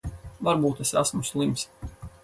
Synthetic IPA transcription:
vaɾbuːt̪esasmuslˠimsʲ

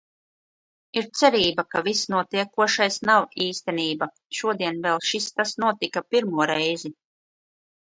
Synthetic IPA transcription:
iɾt̪sɛɾiːbakavisnuɔt̪iɛkuɔʃajsnawiːst̪ɛniːba | ʃuɔd̪iɛnvɛlˠʃist̪asnuɔt̪ikapiɾmuɔɾɛjzi

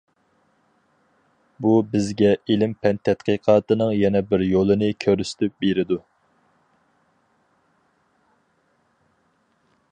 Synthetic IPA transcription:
bubɪzɡʲɛilɪmpʰɛnt̪ʰɛt̪qəqʰɑːt̪ɨnɨŋjɛnɛbɪɾjolˠɨnɨkʲʰøɾysɪ̥t̪ʰɪp̚beɾɪd̪u

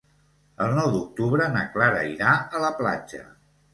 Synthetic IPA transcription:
əlˠnɔwd̪uk̚t̪uβɾənəklaɾə̰iɾaələpla̰d͡ʒə̰

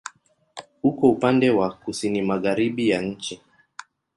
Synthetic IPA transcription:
hukɔupandɛwakusinimaɣaɾiɓijaɲ̩t͡ʃi

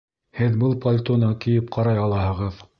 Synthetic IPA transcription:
hɘðbɤlˠpolʲt̪onɑkijɘp̚qʰɑɾɑjɑlˠɑhɤ̆ʁɤð

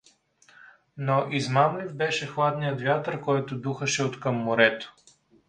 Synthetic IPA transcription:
noʔizmamlivbɛʃɛxlˠad̪nijət̪vʲjat̪əɾkɔjt̪ʊd̪uxɐʃɛot̪kɐmːʊɾɛt̪o̥

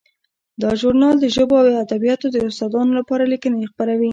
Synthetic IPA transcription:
d̪ɑʒuɾnɑld̪əʒəboawad̪abijɑt̪od̪əʊst̪ɑd̪ɑnolapɑɾalikənajxpaɾawi

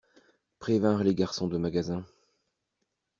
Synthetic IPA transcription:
pχevɛ̃ʁleɡaʁsɔ̃d̪əmaɡazɛ̃

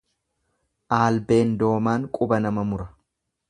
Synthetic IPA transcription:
ʔaːlbe̞ːnd̪o̞ːmaːŋkʼʊbɐnɐmɐmʊɾɐ

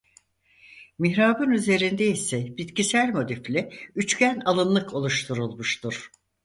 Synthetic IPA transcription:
miçɾaːbɯnyze̞ɾind̪eisɛbit̪cisælʲmo̞d̪iflʲɪyt͡ʃcænalˠɯnlˠɯkʰo̞lˠuʃt̪ʰuɾulˠmuʃt̪ʰuɾ̥

